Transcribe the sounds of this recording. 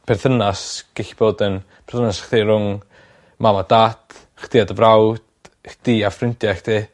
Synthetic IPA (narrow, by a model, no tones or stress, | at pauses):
pʰɛrðənasɡ̥eɬi̥b̥oːdənpʰɛrðənasχtiɾʊŋ | mamad̥ad̥ | χd̥iadəvrawd̥ | d̥iːafrɪntjaχd̥ʰiː